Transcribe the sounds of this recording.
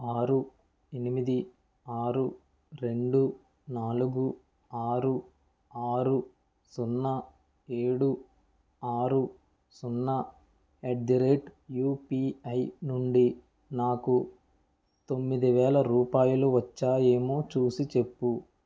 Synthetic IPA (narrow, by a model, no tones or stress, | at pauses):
aːɾu | enimid̪i | aːɾu | ɾe̞ɳɖu | naːluɡu | aːɾu | aːɾu | sunːɐ | eːɽu | aːɾu | sunːɐ | eɖd̪iɾeːʈjuːpiːɐjnuɳɖi | naːku | t̪o̞mːid̪iʋɛːlɐɾuːpaːjuluʋɐt͡ʃːaːje̞ːmoːt͡ʃuːsit͡ʃe̞pːu